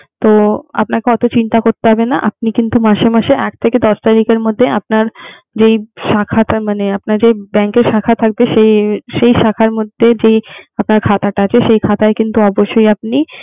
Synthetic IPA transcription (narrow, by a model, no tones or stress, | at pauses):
t̪oa̰p̚nakeɔt̪ot͡ɕint̪akoɾt̪eɦɔbenaʔa̰p̚nikint̪umaʃemaʃeʔɛk̚t̪ʰeked̪ɔʃt̪aɾikeɾmod̪ʱːeap̚naɾ | d͡ʑejʃakʰat̪amaneapnaɾd͡ʑebɛŋkeɾʃakʰat̪ʰak̚beʃejʃejʃakʰaɾmod̪ʱːed͡ʑejap̚naɾkʰat̪aʈaat͡ɕʰeʃejkʰat̪aekint̪uɔboʃːojap̚ni